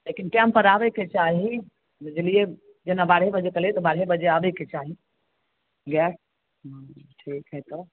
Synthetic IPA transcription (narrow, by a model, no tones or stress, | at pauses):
lekinʈɛmpəɾabɛket͡ʃaɦi | d͡ʒelije | d͡ʒenabaɽ̤ɦebəd͡ʒekəlet̪ɔbaɽɦebəd͡ʒeabɛket͡ʃaɦi | ɡɛʈ | ʈʰikɦɛt̪ɔ